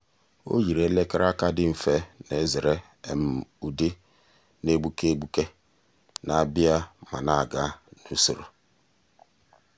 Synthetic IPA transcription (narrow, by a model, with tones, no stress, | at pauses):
o̰˦ji˨ɾe˨˦le˦ka˦ɾa˦ka˦dɪ˦m̩˨fe˦ne˨˦zɪ˨ɾe˦ | e˨m̩˨u˨di˦ | ne˦ɡ͡bu˦ke˦ɡ͡bu˦ke˦ | na˨bja˦ma˨na˦a˨ɡa˦nu˦so̰˨ɾo˨